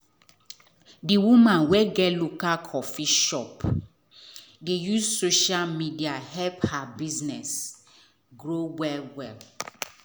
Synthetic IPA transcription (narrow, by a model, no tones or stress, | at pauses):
diwumãnwɛɡɛlukakʰɔfiʃɔp | dejuzsoʃalmidiahɛlphabiznɛs | ɡɾowɛlwɛl